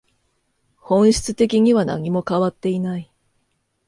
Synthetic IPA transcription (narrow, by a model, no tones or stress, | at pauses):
hõ̞ɰ̃ɕi̥t͡sɨ̥t̪e̞kʲiɲ̟iβana̰ɲ̟imo̞kaβat̪ːe̞inai